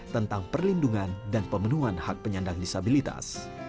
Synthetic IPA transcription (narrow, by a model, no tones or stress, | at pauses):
t̪ənt̪aŋpərlinduŋandanpəmənuanhak̚pəɲandaŋdisabilit̪a̰s